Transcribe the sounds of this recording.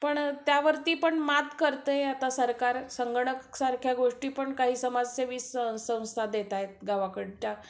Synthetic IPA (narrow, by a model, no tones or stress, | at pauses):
pəɳt̪jaʋəɾt̪iːpəɳmat̪kəɾt̪əat̪asəɾkaɾsəŋɡəɳəksaɾkʰjaɡoʂʈiːpəɳkaɦiːsəmad͡zseʋiːsəw̃sə̃w̃st̪ad̪et̪ajet̪̚ɡaʋakəɽt͡ɕa